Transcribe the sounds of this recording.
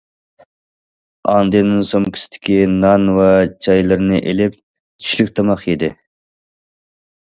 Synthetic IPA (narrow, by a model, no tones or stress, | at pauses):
ɑnd̪ɨnɨŋsoŋkʲʰi̥sɪ̥t̪ʰɪ̥kʲinɑnwɑt͡ʃʰɑjlˠɨɾɨnɨʔelɪp̚ | t͡ʃʰy̥ʃlykʲt̪ʰɑmɑqjed̪ɪ